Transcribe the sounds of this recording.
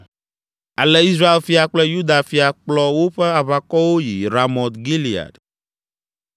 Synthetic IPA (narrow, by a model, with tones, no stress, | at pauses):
a˨lɛ˦i˦s̬ɾa˦e˨lfi˦a˨k͡plɛ˦ju˦d̪a˨fi˨a˨k͡plɔ˦wo˦ɸɛ˦a˨βa˨kɔ˦wo˦ji˨ɾa˨mɔ̃˨t̪ɡi˦li˨a̰˨ɖ